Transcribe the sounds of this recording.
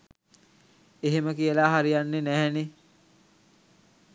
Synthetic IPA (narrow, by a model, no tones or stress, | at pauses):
eɦeməkijəlaɦaɾijanːenæɦɛne